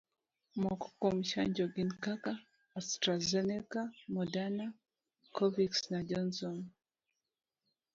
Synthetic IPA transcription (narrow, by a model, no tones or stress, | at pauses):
mɔkɔ̥kɔmʃa̰ɲd͡ʒɔɡinkakaː | stɾazɛnɛkamɔdana | kʰɔviksnad͡ʒɔnsɔn